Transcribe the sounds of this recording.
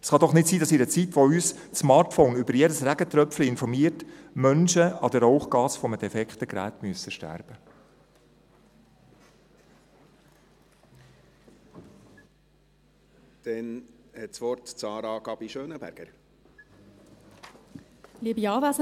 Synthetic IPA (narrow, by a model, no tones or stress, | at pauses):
ɛsχɑd̪ɔχnɪtsiːdɑsiɾət͡sitʋoyːs | smɑːtfɔʊnʏbəɾjedəsræɡət̪ɾœpfliɪnfɔɾmiːəɾtmœnʃəɑdəɾoʊχɡɑːsfɔmədɛfɛkχt̪əɡɾæ̰ːt̪myəsəʃtæ̰rb̥ə | d̪̥ɛnhɛt̪sʋɔɾtt͡sɑːɾɑɡ̥ɑb̥iʃøːnəbæ̰ɾɡ̥əɾ | liːbiɑːvæs